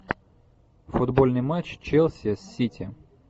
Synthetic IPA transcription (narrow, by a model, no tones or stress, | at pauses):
fʊd̪bolʲnɨjmat͡ɕt͡ɕelˠsʲɪsʲːitʲɪ